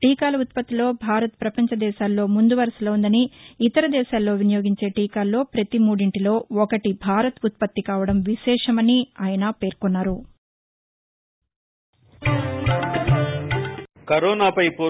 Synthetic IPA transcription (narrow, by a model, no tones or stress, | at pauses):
ʈiːkaːlɐut̪̚pɐt̪ːilo̞ːbʱaːɾɐt̪̚pɾɐpɐɲt͡ʃɐd̪ɛːʃaːlːo̞ːmund̪uʋɐɾɐsɐlɐːund̪ɐniːt̪ɐɾɐd̪ɛːʃaːlːo̞ːʋinjo̞ːɡiɲt͡ʃe̞ːʈiːkaːlːo̞ːpɾɐt̪imuːɽiɳʈilo̞ːɔkɐʈibʱaːɾɐt̪ut̪̚pɐt̪ːikaːʋɐɽɐmʋiʃɛːʂɐmɐniaːjɐnɐpe̞ːɾkɔnːaːɾu | kɐɾɔːnaːpɐjpoː